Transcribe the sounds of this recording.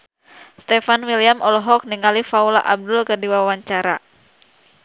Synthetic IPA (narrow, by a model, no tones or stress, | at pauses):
st̪efanwiliamʔɔlɔɦɔk̚niŋalifaula̰ʔab̚dʊlkərdiwawaɲt͡ʃaɾa